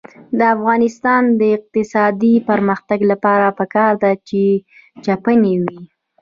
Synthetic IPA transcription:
d̪əafɣɑnɪst̪ɑnd̪əɪq̚t̪ɪsɑd̪ipəɾməxt̪aɡlapɑɾapəkɑɾd̪at͡ʃe | t͡ʃapənewi

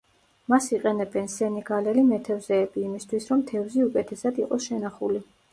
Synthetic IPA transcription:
masiqʼɛnɛbɛnsɛnɛɡalɛlimɛt̪ʰɛvzɛːbiːmist̪ʰwisɾɔmt̪ʰɛvziukʼɛt̪ʰɛsad̪iqʼɔsʃɛnaχuli

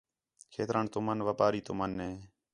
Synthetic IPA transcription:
kʰḛːt̪ɾaːɳt̪omənʋaːpaːɾiːt̪ʊmənːeː

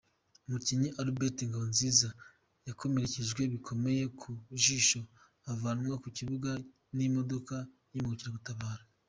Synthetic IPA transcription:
umuciɲiʔaɾubetiŋɡaβo̞nziːza | jakʰo̞meɾeceʒɡwe̞βikʰo̞me̞je̞kʰuʒiʃo̞ | avanŋwakuciβuɡa | nimo̞do̞ka | jimuɡociɾaɡutaβaːɾa

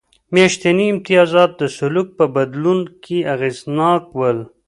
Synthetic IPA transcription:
meʃt̪eniɪmt̪ijɑːzɑːt̪̚d̪əsʊluk̚pəbad̪lunkʰiaɣeznɑːkwəl

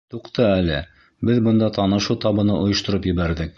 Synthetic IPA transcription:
t̪uqt̪ɤælɘ̰ | bɘðbɤ̆nd̪ɑt̪ɑnɤ̆ʃuwt̪ɑβɤ̆nɤʔŏjŏʃt̪ŏɾɤpjɘ̆βæɾðɘk̚

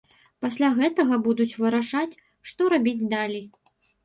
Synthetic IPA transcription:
pasʲlʲaɣɛt̪ɐɣɐbud̪ut͡sʲvɨɾaʂat͡sʲ | ʂt̪ɔɾabʲid͡zʲd̪alʲij

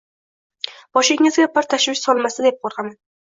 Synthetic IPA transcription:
b̥ɒʃɪɡʲŋɪzɡʲapʰːɪɾt̪ʰaʃwɪʃsɒlˠmasɪd̪ep̚qʰɒɾqʰɑman

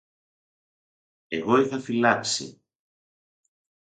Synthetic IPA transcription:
eɣojθafilaksḭ

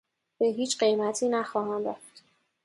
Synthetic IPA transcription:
b̥eɦiːt͡ʃɢe̞jmæt̪ʰiːnæxɒːhæmɾæft̪

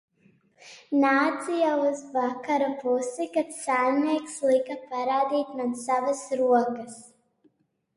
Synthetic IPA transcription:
naːt̪sijauzvakaɾapusikat̪sanʲikslˠikapaɾaːd̪iːt̪ʲmansavasɾuɔkɐs

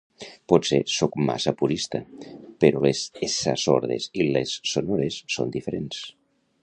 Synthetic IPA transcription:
pɔsesɔkma̰sapuɾist̪apeɾolezesa̰so̰ɾðesilesːonoɾesːo̰nd̪ifeɾens

